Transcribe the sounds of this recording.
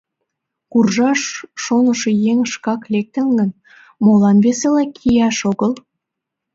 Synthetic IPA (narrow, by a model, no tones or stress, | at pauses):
kurʒɑʃːonəʃejeŋʃkɑklek̚t̪ə̆nɡən | molɑnβeselækʰijɑʃoɣəl